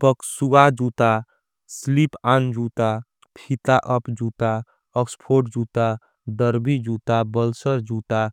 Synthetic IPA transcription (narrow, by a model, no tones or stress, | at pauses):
pəksuad͡ʒut̪a | slipand͡ʒut̪a | pʰit̪aʔəpd͡ʒut̪a | əkspʰoʈ̚d͡ʒut̪a | ɖəɾbid͡ʒut̪abəlsəɾd͡ʒut̪a